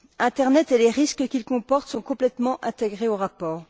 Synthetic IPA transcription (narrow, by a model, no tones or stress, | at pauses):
ɛ̃t̪ɛʁnɛt̪eleʁiskəkʲilkɔ̃pɔʁt̪sɔ̃kɔ̃plɛt̪mɑ̃ʔɛ̃t̪eɡʁeoʁapɔːʁ